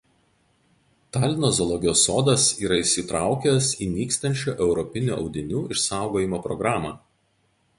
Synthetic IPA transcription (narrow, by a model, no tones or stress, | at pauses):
t̪ɑːlʲnoːzɔlˠɔɡʲɪjoːsːoːd̪ɐsiːɾɐɪʃsʲit̪ɾɑˑʊkʲɛsiːnʲiːkst̪ɐnʲt͡ʃʲuːʔɛʊɾɔpʲɪnʲṵːʔɒ̰ʊd̪ʲɪnʲuːʔɪʃsɑˑʊɡoːjɪmoːpɾɔɡɾɑːmɑː